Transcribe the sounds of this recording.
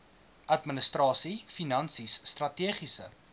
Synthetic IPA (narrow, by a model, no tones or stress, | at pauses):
ʔɐtmənəstrɑːsifinɐnsisːtrɐtiəχisə̰